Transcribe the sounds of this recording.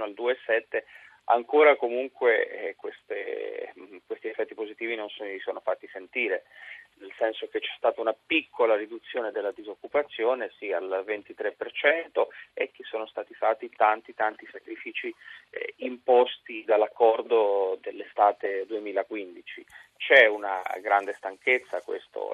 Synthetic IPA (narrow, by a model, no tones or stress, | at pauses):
noald̪uːesɛt̪ːe | a̰ŋkoːɾakomuŋkwekwest̪ḛ | kwest̪iefːɛt̪ːipozit̪iːvinonsonisoːnofat̪ːisent̪iːɾenelsɛnsok̟et͡ʃːɛ̥st̪aːt̪aunapikʰːolaɾid̪ut̪sːjoːned̪elːad̪izokːupat̪sːjoːnesialvent̪it̪ɾepːert͡ʃɛnt̪oek̟ːesːoːnost̪aːt̪ifat̪ːit̪ant̪it̪ant̪isakɾifiːt͡ʃi | impɔst̪id̪alːakːɔrd̪od̪elːest̪aːt̪ed̪uemiːlakwind̪it͡ʃit͡ʃɛuna̰ɡɾand̪est̪aŋket̪sːakwḛst̪o̰